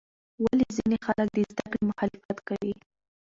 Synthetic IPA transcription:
walizinexalək̚d̪əzd̪akɽemʊxɑlɪfat̪kawi

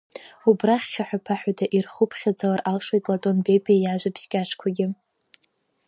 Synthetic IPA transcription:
ubraχʲːaħʷᶣapʰaħᶣadʰaʔirχupʰχʲad͡zalarʔalʂojtʼlatʼo̞nbebʼiajaʒʷapʰʃkʲʼaʂkʷʰaɡʲɪ

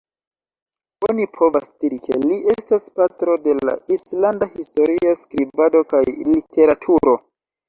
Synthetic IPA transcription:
onipʰo̞vasd̥iɾikʰe̞liʔe̞staspatɾo̞de̞la̰islandahisto̞ɾiaskɾibado̞kajlitʰe̞ɾatʰuɾo̞

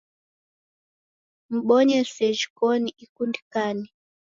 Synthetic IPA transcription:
m̩ɓɔɲɛsɛʒikɔniikundikani

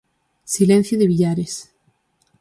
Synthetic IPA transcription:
silẽn̟θjoðeβiʎaɾes

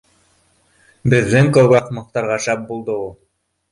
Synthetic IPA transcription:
bɘ̆ðːɘŋkoɡɑχmɤ̆qt̪ɑɾʁɑʃæp̚bulˠd̪ɤulˠ

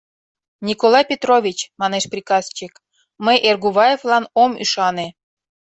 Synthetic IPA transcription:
nʲikolˠɑjpʲet̪rovʲit͡ɕmɑneʃprʲikɑst͡ɕik | məjʔerɡuβɑjevlɑnomy̰ʃɑne

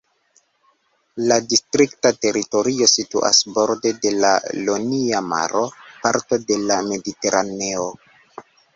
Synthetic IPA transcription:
ladistɾiktate̞ɾito̞ɾio̞sitṵʔa̰sbo̞ɾde̞de̞la̰loniama̰ɾo̞paɾto̞de̞lame̞dite̞ɾʔane̞o

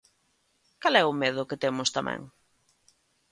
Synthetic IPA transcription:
kalɛʊmeðʊket̪emʊst̪amʔɛ̰̃ŋ

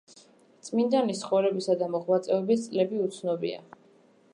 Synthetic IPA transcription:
t̪sʼmind̪anisχɔɾɛbisad̪amɔχmat̪sʼɛɔbist̪sʼlɛbiut̪sʰnɔbḭa̰

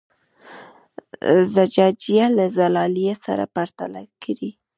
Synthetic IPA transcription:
zad͡ʒɑd͡ʒijalazalɑlijesa̰ɾa̰paɾt̪alakaɾi

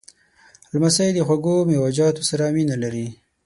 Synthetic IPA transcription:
lmasajd̪əxwaɡomewad͡ʒɑt̪osaɾaminalaɾi

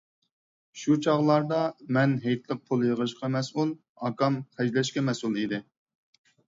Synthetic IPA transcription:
ʃut͡ʃʰɑʁlˠɑɾd̪ɑmɛnɦejt̪lˠəq̚pʰolˠjəʁəʃqʰɑmɛsulˠ | ɑkɑmqʰɛd͡ʒlɛʃkʲɛmɛsulˠid̪ɪ

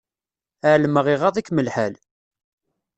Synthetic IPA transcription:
əʕlməʁɪʁɑðˤikːməlħaæl

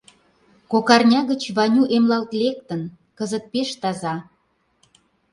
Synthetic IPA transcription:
kokɑrnʲɑɣə̆t͡ɕβɑnʲuʔemlɑlt̪lek̚t̪ən | kəzət̪̚peʃt̪ɑzɑ

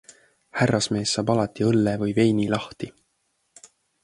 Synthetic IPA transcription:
hærːɑsme̞ːsːɑːbɑlɑt̪ːˑiɤlːevɤjve̞jnilɑht̪i

